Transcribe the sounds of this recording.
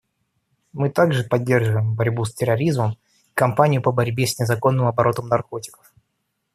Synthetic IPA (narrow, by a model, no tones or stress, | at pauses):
mɨt̪aɡʐɨpɐdʲːe̞rʐɨvəjɪmbɐɾʲbusʲtʲɪɾɐɾʲizməm | ikɐmpanʲɪjʊpəbɐɾʲbʲesʲnʲɪzɐko̞nːɨmɐbɐɾo̞t̪əmnɐrko̞tʲɪ̥kə̥f